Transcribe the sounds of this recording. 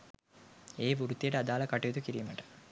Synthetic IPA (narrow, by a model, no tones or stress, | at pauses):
eːʋuɾut̪ːijəʈəad̪aːləkaʈejod̪ukiɾiːməʈə̥